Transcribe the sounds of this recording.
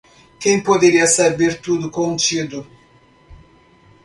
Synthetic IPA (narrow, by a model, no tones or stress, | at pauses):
kẽj̃pod̪eɾiɐsabeɾt̪ud̪ʊkõnt͡ʃid̪ʊ